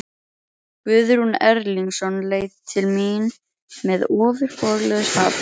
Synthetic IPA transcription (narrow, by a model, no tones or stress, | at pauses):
pʏðɾunɛɾliŋsɔnleːjðt̪ʰɪlmiːn | mɛðɔːðʏɾ̥fɔɣlɛɣʏshaːp